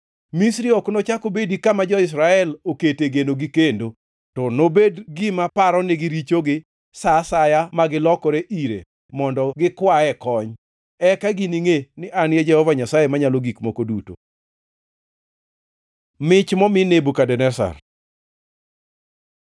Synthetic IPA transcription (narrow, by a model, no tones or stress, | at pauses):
misɾiɔknot͡ʃakobedikamad͡ʒɔɪs̬ɾaɛloketeɡenoɡikendo | tɔnobedɡɪmapaɾɔnɛɡiɾit͡ʃoɡɪ | sasajamaɡɪlɔkɔɾeʔiɾḛ | mɔndɔɡɪkwaɛkɔɲ | ɛkaɡiniŋenɪʔanjed͡ʒɛhɔvaɲasajemaɲaloɡikmokoduto̰ | mɪt͡ʃmɔmɪnebukadɛnɛsa̰r